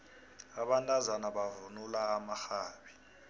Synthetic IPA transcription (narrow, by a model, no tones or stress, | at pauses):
aɓantʼazanaɓavunulaːmaxaːɓi